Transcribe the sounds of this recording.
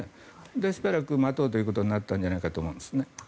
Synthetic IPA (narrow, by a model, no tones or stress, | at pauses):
e | d̪eɕibaɾakɯ̟mat̪oːt̪ojɯ̟kot̪o̞ɲinat̪ːãnɲ̟d͡ʑanaikat̪oːmo̞ɯ̃nd̪esɨne